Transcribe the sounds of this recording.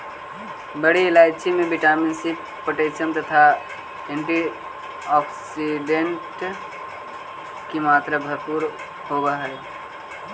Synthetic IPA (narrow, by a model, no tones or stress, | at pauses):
bəɽilat͡ʃʰimebiʈaminsip | pːəʈesənt̪ət̪ʰa | ẽɳʈi | ɔksiɖeɳʈ | kimaːt̪ɾəbʱəɾpuɾ | hobəɦə